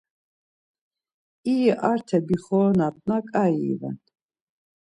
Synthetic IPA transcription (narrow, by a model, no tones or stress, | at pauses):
iʔaɾt̪ʰɛbiχɔːnat̪ʼnakʼaḭːva̰n